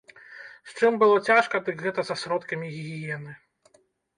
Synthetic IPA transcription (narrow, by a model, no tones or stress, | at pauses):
st͡ʂɨmbɨlˠɔt͡sʲaʂkɐd̪ɨkɣɛt̪ɐzɐsɾɔt̪kɐmʲiɣʲiɣʲijɛnɨ